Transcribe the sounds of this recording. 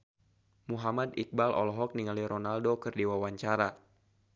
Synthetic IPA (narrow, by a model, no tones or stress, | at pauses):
muɦamad̪ik̚balʔɔ̰lɔɦɔk̚niŋaliɾɔnaldokɨrdiwawaɲt͡ʃaɾa